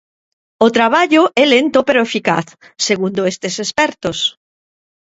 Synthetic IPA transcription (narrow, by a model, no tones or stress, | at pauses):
ot̪ɾaβ̞aʎoʔɛlent̪opeɾoefika̰θ | seɣund̪oest̪esespɛɾt̪os